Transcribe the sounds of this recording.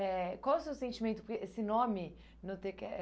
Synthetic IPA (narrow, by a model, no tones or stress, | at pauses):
ɛkwawɛwsewsẽnt͡ʃimẽnt̪ʊ̥poɾkeʔesɪnõmɪ | nɐ̃w̃t̪ẽkɛ